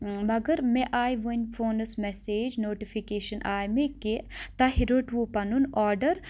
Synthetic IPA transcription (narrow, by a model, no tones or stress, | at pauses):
mɐɡəɾmẽʔaːjʋunfʰoːnəsmɛseːd͡ʒnoːʈifʰikeːʃənʔaːjmẽket̪aɦiɾoːʈʋupɐnunɔːɾɖəɾ